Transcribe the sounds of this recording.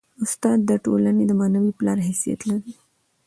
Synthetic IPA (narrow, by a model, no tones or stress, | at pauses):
ʊst̪ɑd̪ːəʈolaned̪əmɑnawiplɑɾɦasija̰t̪laɾi